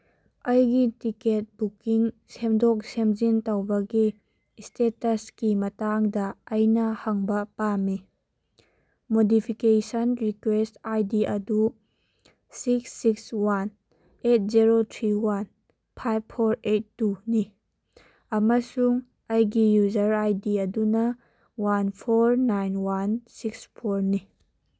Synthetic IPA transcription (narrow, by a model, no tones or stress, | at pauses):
ɐjɡitiket̚bukiŋ | semdɔk̚semzintɐwbɐɡi | stetɐskimɐtaŋdɐɐjnɐhɐŋbɐpami | modipʰikesɐnɾikwestajdiʔɐdu | siksːikswan | et̚ziɾotʰɾiwan | pʰajb̚pʰoɾet̚ːuni | ɐmɐsuŋ | ɐjɡijuzɐɾajdiɐdunɐ | wanpʰoɾnajnwansikspʰoɾni